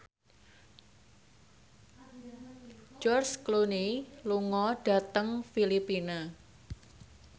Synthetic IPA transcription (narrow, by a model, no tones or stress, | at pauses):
d͡ʒɔrskluniluŋɔɖ̥a̤t̪əŋfilipina